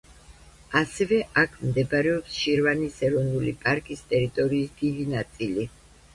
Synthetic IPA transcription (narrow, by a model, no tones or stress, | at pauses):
asɛvɛʔakʰmd̪ɛbɾɛɔpsʃiɾvanisɛɾɔnulḭpʼaɾkʼist̪ʼɛɾit̪ʼɔɾiːsd̪̥id̪inat̪sʼili